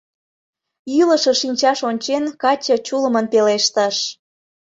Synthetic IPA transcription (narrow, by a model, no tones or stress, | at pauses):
iləʃə̆ʃinʲt͡ɕɑʃonʲt͡ɕenkɑt͡ɕət͡ɕuləmənpeleʃt̪əʃ